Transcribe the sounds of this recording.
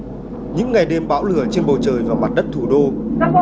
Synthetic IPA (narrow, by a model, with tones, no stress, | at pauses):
ɲɨ̰˧˥ŋːa˨˩jɗe˧mɓa̰ː˧˥wlɨ˧˩ət͡ɕe˧nɓə˨˩wt͡ɕəː˨˩jvaː˨˩ma˨˩t̚ɗə˦˥t̚t̪ʰu˧˩ɗo˧